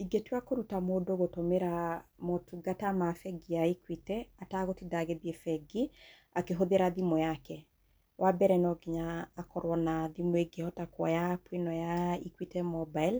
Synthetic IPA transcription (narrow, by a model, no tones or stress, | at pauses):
iɡetwakoɾutamodoɣotomeɾamotuɡatamafɛɡiaikwitɛataɣotidaɣeðjefɛɡi | akeɦoðeɾaðimɔjakɛ | wʔabɛɾɛnɔɡiɲaːkɔɾwɔnaðimoeɡehɔtakwɔjapwenɔjaḭkwitɛmɔbail